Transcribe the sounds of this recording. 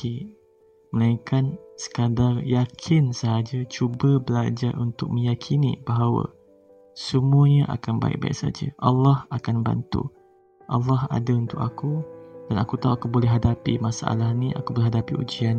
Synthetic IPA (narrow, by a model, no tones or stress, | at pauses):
i | məlaiŋkansə̥kadarjakʰɪnsəɦad͡ʒat͡ʃubəbəlad͡ʒarʔunt̪ʊk̚mə̃jakʰinḭ̃baɦawə̰ | səmuəɲəʔa̰kanba̰ɪ̰k̚ba̰ḭksa̰d͡ʒə̰ʔa̰lːɑhakanba̰nt̪ṵ | ʔɑlːɑɦa̰daunt̪ʊk̚akudanakut̪auʔakubolɛɦadapḭmasaʔa̰lahniʔa̰kubolɛɦadapiṵd͡ʒian